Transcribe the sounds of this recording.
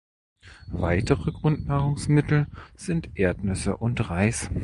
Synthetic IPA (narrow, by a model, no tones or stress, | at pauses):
vaɪtəʁəɡʁʊntnaːʁʊŋsmɪtl̩z̥ɪntʔeːɐtnʏsə̰ʔʊntʁaɪs